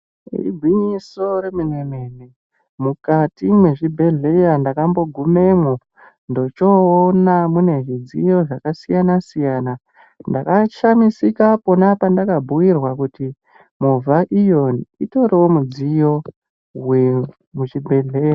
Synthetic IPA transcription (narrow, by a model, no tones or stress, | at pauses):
rḭbʱwiɲiso̞ɾeminemeːne | mukatimwe̞ʐibʱe̞ɮe̞jandakambo̞ɡʱume̞ŋo | ndo̞t͡ʃo̞ːnamune̞ʐid͡zijo̞ʐakasijanasijaːna | ndakaʃamisikapo̞napandakabʱuwirwakuti | muvʱaʔijonito̞ɾewomud͡zijo̞ | we | mut͡ʃibʱeɮe̞ːja